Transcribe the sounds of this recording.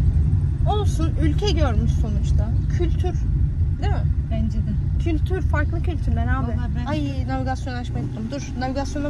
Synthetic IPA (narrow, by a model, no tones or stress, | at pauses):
o̞lˠsunylʲcʰɛɟøɾmyʃso̞nut͡ʃt̪ʰacʰylʲt̪ʰyɾ̥d̪emɪbɛnd͡ʒed̪incʰylʲt̪ʰyɾfaɾklˠɯcʰylʲt̪ʰyɾd̪ɛnaːb̪ɛhajɯnaviɡasjo̞nat͡ʃmajt̪ːumd̪uɾ̥naviɡasjo̞na